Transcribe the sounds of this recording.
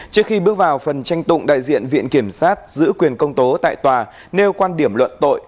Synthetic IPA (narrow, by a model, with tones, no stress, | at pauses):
t͡ɕɨ˦˥əkxi˧ɓɨ˦˥ək̚vaː˨˩wfə˨˩nt͡ɕa˧jŋ̟t̪ʊ̰˧˨ŋ͡mɗa̰ː˧˨jzḭ˧˨ənvḭ˧˨ənki˧˩əmsaː˦˥t̚zɨ̰˧˥kwi˨˩ənkə˧wŋ͡mt̪o˨˦t̪a̰ː˧˨jt̪waː˨˩ | ne˧wkwaː˧nɗi˧˩əmlwə̰˧˨nt̪o̰˧˨jʔ